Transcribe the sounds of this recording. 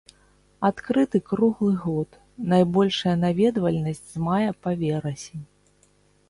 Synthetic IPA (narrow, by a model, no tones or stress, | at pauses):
at̪kɾɨt̪ɨkɾuɣlˠɨɣɔt̪ | najbɔlʲʂɐjɐnavʲɛd̪vɐlʲnɐsʲt͡sʲzmajɛpavʲɛɾɐsʲi